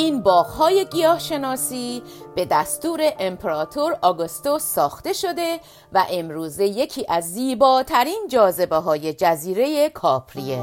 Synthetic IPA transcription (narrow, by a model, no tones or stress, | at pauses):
iːnbɒːɣhɒːje̞ɡijɒːhʃe̞nɒːsiːb̥e̞d̪æst̪uːɾe̞ʔempʰeɾɒːt̪ʰoɾɒɡost̪osːɒːxt̪e̞ʃo̞d̪e̞ | væ̰ʔe̞mɾuːze̞je̞cʰiːʔæzːiːbɒːt̪ʰæɾiːnd͡ʒɒːze̞beɦɒːje̞d͡ʒæziːɾe̞jekʰɒːpʰɾie